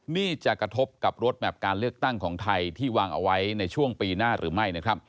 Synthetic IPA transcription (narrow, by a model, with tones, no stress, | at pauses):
niː˥˩t͡ɕa˨˩kɾa˧t̪ʰo˦˥p̚ka˨˩p̚ɾo˦˥t̪̚bɛː˨˩p̚kaː˧nlɯ˥˩ək̚t̪a˥˩ŋkʰɔː˩˦ŋt̪ʰa˧jt̪ʰiː˥˩waː˧ŋʔa̰˧wa˦˥jna˧jt͡ɕʰu˥˩əŋpiː˧naː˥˩ɾʔɯ̰ː˩˦ma˥˩jna˦˥kʰɾa˦˥p̚